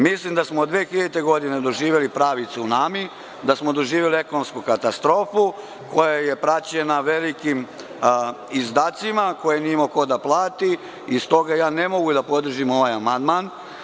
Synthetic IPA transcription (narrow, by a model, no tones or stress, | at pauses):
mislimd̪asmod̪ʋeːxiʎet̪eɡo̞d̪ine̞d̪o̞ʒiːʋjelipɾaːʋit̪suunami | d̪asmod̪o̞ʒiːʋjelie̞konomskukat̪ast̪ɾo̞ːfu | ko̞jaje̞pɾat͡ɕe̞naʋe̞likim | izd̪aːt̪simako̞jenimoko̞d̪aplˠaːt̪i | ist̪o̞ɡajaːne̞mo̞ɡud̪apo̞d̪r̩ʒimo̞ʋajamand̪man